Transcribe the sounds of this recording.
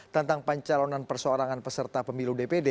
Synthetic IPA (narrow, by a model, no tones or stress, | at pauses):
t̪ənt̪aŋpaɲt͡ʃalonanpərsoɾaŋanpəsərt̪apəmiludepede